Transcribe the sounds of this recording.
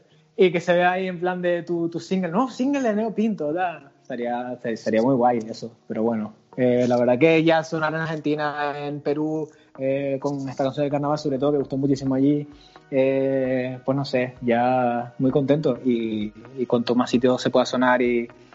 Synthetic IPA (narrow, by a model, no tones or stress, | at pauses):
ike̞se̞βe̞aie̞mplãnd̪e̞t̪ut̪usiŋɡelnosiŋɡeleneopint̪od̪ast̪aɾiast̪est̪aɾiamwuijɣwaje̞sope̞ɾo̞βwe̞no | elaβe̞ɾðake̞ʝaso̞naɾenaɾhe̞nt̪inaempe̞ɾu | eko̞ŋe̞st̪akansjond̪ekaɾnaβalso̞βɾet̪o̞ðokeɣuht̪omut͡ʃis̬imoaʎi | e | pwe̞ɦno̞se̞ʝamujko̞nt̪e̞nt̪oʔiːkwant̪omasit̪̬jo̞se̞pwe̞ðaso̞naɾi